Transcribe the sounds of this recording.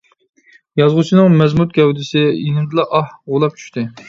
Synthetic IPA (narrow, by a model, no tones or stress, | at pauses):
jɑzʁʊt͡ʃʰinɨŋmɛzmut̪̚ɡʲɛwd̪ɪsɪjinɪmd̪ɨlˠɑʔɑhʁolˠɑp̚t͡ʃʰy̥ʃt̪ɪ